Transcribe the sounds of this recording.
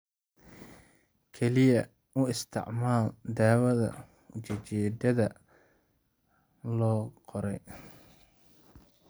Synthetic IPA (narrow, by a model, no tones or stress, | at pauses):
kʰɛlɪjɐ | ʊɪst̪ʰɪ̰ʕmaːld̪aːwɐðɐ̰ | t͡ʃɛt͡ʃɛːd̪ɐðɐ | lɔːqɔɾɛj